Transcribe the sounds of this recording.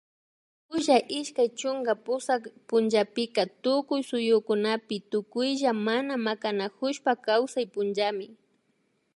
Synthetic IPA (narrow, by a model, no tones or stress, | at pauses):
ʊʒaʔɪʃkajt͡ʃʊŋɡapʊsakpʊnd͡ʒapɪkat̪ʊkʊjsʊjʊkʊnapɪt̪ʊkʊjʒamanamakanakʊʃpakawsajpʊnʒamɪ